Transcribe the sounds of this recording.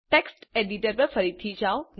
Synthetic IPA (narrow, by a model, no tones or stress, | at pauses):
ʈeksʈeɖiʈəɾpəɾfəɾit̪ʰːid͡ʒaon